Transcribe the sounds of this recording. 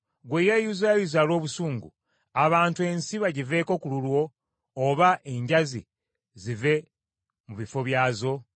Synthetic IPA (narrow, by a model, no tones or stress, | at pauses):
ɡwejejuzajizalo̞ːβusuːŋɡṵ | aβaːntue̞nsiβaɟive̞ːko̞kululwo̞ː | βaʔe̞ɲɟazḭ | zive̞ | muβifo̞βjaːzo̞